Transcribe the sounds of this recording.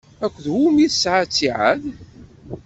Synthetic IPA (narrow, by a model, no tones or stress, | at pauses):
ækʷːðhumiθsʕat͡sːiʕə̰ð